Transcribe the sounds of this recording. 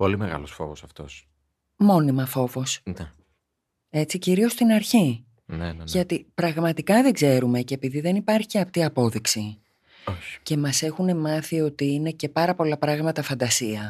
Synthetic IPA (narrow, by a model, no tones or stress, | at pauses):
po̞limeɣɐ̰losfo̞̰vo̰sɐft̪o̞̰s | mo̞nimɐfo̞vo̞sne | e̞t͡siciɾio̞st̪inɐɾçi | nʝɐt̪ipɾɐɣmɐt̪ikɐðeɡze̞ɾume̞ceepiðiðe̞nipɐɾççiɐpt̪iɐpo̞ðiksi | oçce̞mɐse̞xune̞mɐθio̞t̪iine̞ce̞pɐɾɐpo̞lɐpɾɐɣmɐt̪ɐfɐnd̪ɐsiɐ